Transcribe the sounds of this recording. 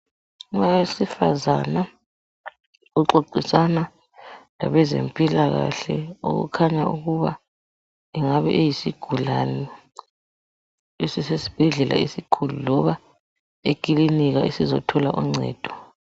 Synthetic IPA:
ŋawesifaza̰na | uǃoǀisana | la̰βɛzḛmpʼilaɣa̰ɬɛo̰ɣṵkʰaɲauɣuβa | iŋaβɛ̰ʔejisiɡ̥ʱulanɛ | esisesi̥b̥ʱɛɮɛlʔa̰isikʰululɔβa | ekʼiliniɣaʔisizɔtʰɔlaʔuŋ͡ǀʱɛ̰ːd̥ʱɔ̥

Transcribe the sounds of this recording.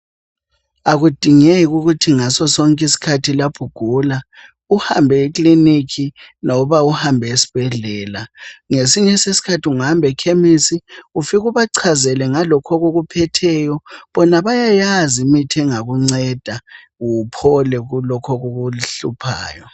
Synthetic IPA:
aɣud̥ʱiŋeɣuɣutʰiŋasɔsɔŋkʼisi̥kʰatʰilapʰuɡ̥ʱula | uhambʱɛiklinikʰinɔβauhambʱɛesi̥b̥ʱɛɮɛːlaŋesiɲɛsesi̥kʰatʰiuŋambʱɛkʰemisiufiɣuβaǀʰazɛlɛŋalɔkʰɔɣoɣupʰɛtʰɛjɔβɔnaβajajazimitʰɛŋaɣuŋ͡ǀɛd̥ʱa | upʰɔlɛɣulɔkʰɔɣoɣuɬupʰa̰ːjɔ

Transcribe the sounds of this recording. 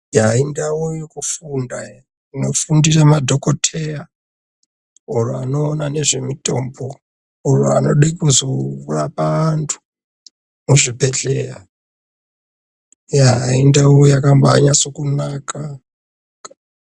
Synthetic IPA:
jaindawojekufunda | ino̞fundiramadʱo̞kotʰe̞ra | uruano̞ːnane̞ʐe̞mito̞mbo | urua̰no̞̰ɗaikozourapaantʰu̥ | muʐipe̞ɬera | jaɦaindawojakambaa̰ɲaso̞kunaka

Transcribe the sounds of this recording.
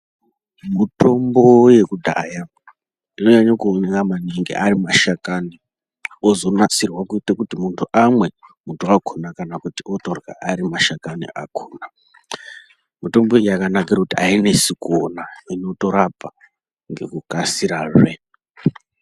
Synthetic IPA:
mito̞mbo̞je̞kudʱa̰ːja | ino̞ɲaɲakuoneŋɡamaniŋɡḛʔaɾimaʃakani | ozo̞nasirwakuitakutimuntʰuʔamwe̞muntʰuakʰonakanakutiʔotorwa̰aɾimaʃakanḭʔa̰kʰoːna | mito̞mbojakanakirakutiaine̞sikonaino̞to̞ɾabʱa | ŋɡe̞kukasiɾaːʐwe

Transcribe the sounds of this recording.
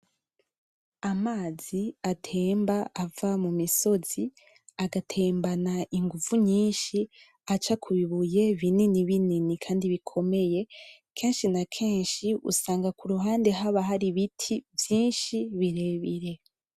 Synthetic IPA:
amaːz̥iatʰeːmbaʔavamumiso̞z̥i | aɡatʰe̞ːmbanaʔiŋɡuvuɲiːnʃi | at͡ʃakʰuβiβuje̞βininiβininikʰaːndiβikʰo̞me̞je̞kʰe̞ːnʃinakʰe̞ːnʃiṵsaːŋɡakuɾuɦaːnde̞ɦaβaɦaɾiβitʰivjiːnʃiβiɾe̞βiɾe̞

